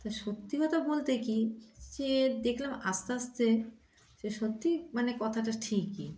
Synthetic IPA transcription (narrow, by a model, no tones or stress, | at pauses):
t̪aʃot̪ːiɦɔt̪abolt̪ekid͡ʑed̪ekʰlamast̪east̪e | ʃeʃot̪ːimanekɔt̪ʰaʈaʈʰikːḭ